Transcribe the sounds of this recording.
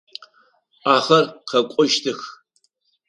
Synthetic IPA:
aːxɐrqʰɐkʷʼʊʒtʰɨx

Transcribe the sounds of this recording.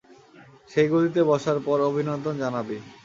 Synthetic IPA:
ʃejɡod̪it̪̬ebɔʃaɾpɔɾobʱinont̪ond͡ʑanabe

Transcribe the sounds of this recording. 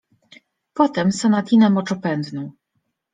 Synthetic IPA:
pɔt̪ɛmsanat̪ʲinamɔt͡ʂɔpɛnd̪nɔw

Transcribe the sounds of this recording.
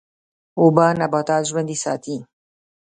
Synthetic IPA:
oːbanɐbɑt̪ɑːʒwɐnd̪isɑ̰ːt̪i

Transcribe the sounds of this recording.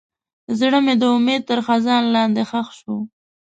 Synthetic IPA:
zɽəmed̪əʊmed̪̚t̪əɾxɑzɑnlɑnd̪exaxʃu

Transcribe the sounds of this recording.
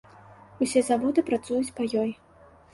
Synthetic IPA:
usʲɛzavɔd̪ɨpɾat̪sujut͡sʲpɐjɔj

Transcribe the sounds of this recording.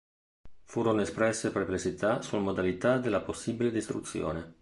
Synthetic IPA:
fuːɾonoespɾɛsːeperplesit̪asulamod̪alit̪ad̪elːaposːiːbiled̪ist̪ɾut̪sjo̰ːne

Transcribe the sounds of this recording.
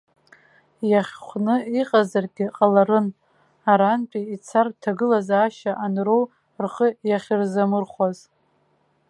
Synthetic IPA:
jaχʲχʷʰnɨiqʼazarɡʲɪqʼalaɾɨn | aɾanpʼiːt͡sʰartʰaɡɨlazaʃaʔanrow | rχəjaχʲɪrzamɨrχʷaz

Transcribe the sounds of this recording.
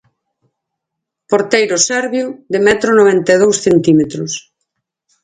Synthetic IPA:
poɾt̪ejɾʊsɛɾβjʊðɪmɛt̪ɾʊnoβ̞ɛnt̪eðowsθent̪imet̪ɾʊs

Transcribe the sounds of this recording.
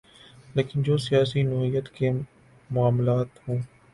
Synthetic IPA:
leːkɪnd͡ʒoːsijaːsinoːɦijət̪ke | mʊaːmlaːt̪ɦõː

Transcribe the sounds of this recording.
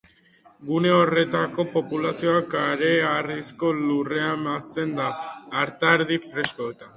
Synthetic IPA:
ɡune̞o̞re̞t̪ako̞po̞pulasio̞akaɾe̞arisko̞lure̞amase̞nd̪aːɾt̪aɾðifɾe̞skoet̪a

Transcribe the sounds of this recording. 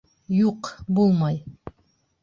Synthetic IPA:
juqbulˠmɑj

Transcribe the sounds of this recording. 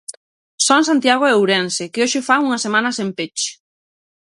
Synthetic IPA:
sonsant̪jaɣ̞oewɾɛnsekɪoʃɪfauŋɐsemãnɐsempet͡ʃɪ̥

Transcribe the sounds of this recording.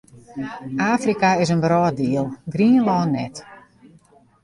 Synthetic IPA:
aːfrikaɪs̬ənbəɾɔːt̚diəlˠɡriənlɔːnːɛt

